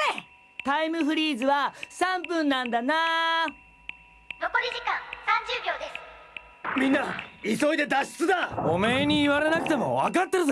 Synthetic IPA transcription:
e | t̪aimɯ̟ɸɯ̟ɾʲiːzɨβasãmp̬ɯ̟̃nːãnd̪ana | no̞ko̞ɾʲiʑikãŋsãɲ̟d͡ʑɨːɡʲjoːd̪e̞sɨ̥ | mʲĩnːaiso̞id̪e̞d̪aɕi̥t͡sɨd̪aomeɲ̟iːβaɾe̞nakɯ̟t̪e̞mo̞̰βakat̪ːe̞ɾɯ

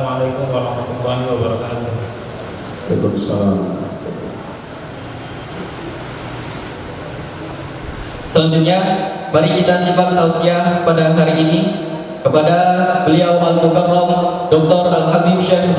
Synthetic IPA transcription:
malakumwaamat̪uaniwabaɾakat̪u | alḛkumsa̰lam̰at̪ul | sələɲd͡ʒut̪̚ɲamaɾikit̪asibanalsiahpadaɦaɾiʔːni | kəpadabəliawmanmukarlɔmdɔk̚t̪ɔrʔalɦamiʃɛh

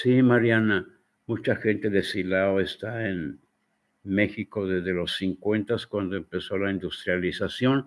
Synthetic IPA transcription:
simaɾjana | mut͡ʃaxe̞nt̪e̞ðe̞silaoest̪aen | me̞xiko̞ðe̞zðe̞lo̞sːiŋkwe̞nt̪askwand̪oempe̞so̞laind̪ust̪ɾjalisasjo̞n

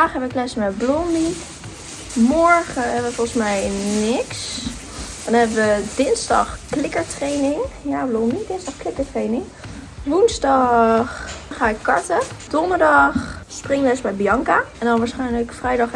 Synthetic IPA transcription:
aːχɦɛbəɪklɛsəmɛblɔmbi | mɔɹχəɦɛbəʋəfɔlˠχəsmɛjnɪks | ɛndɔnɦɛbəʋədɪnzdɑ̰χklɪkəɹtrejnɪŋjaːblɔmbidɪnzdɑχklɪkəɹtrejnɪŋ | ʋunzdɑχχaːɪkːɑɹtəd̥ɔndəɹdɑχsprɪŋʋɛɪsbɛjbijɑŋkaɛndɑnʋaːɹsχɛjnləkfrɛjdɑχ

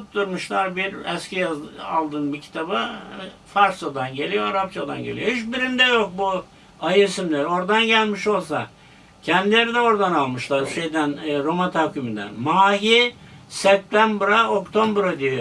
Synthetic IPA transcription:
t̪t̪ːuɾmɯʃlˠaɾbiɾɛscʰijazalˠd̪ɯnbicʰi̥t̪ʰabɯfaɾsad̪anɟe̞lʲijoaɾap̚t͡ʃʰad̪a̰nɟe̞lʲijoit͡ʃbiɾind̪ɛjo̞k̚bu | ajesimlʲɛɾo̞ɾd̪anɟælʲmiʃo̞lˠs̬a | cʰɛnd̪ilʲe̞ɾid̪ɛo̞ɾd̪analˠmɯʃlˠaɾʃejd̪ænɾomat̪ʰaːkʰymind̪æ̰nmaːɦi | sɛp̚t̪ʰænbɾao̞kt̪ʰo̞mbɾad̪ijo

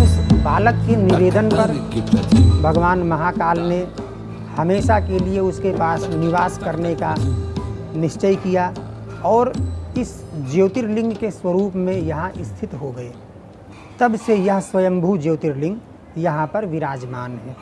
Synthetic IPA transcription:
ʊspaːləkːenɪʋeːd̪ənpɐɾ | bʱəɡʋaːnmɐɦakaːlne | hɐmeːʃakelieʊskepaːsnɪʋaːskɐɾneka | nɪʃt͡ʃəjkijaɔːɾɪsd͡ʒeːt̪ɪɾlɪ̃ŋɡkeswɐɾuːpmẽjɐɦãʔɪst̪ʰɪt̪ɦoɡəe | t̪ɐbsejɐɦswɐjə̃mbʱud͡ʒeːt̪ɪɾlɪ̃ŋɡ | jɐɦãpɐɾʋɪɾaːd͡ʒmaːnɦɛː

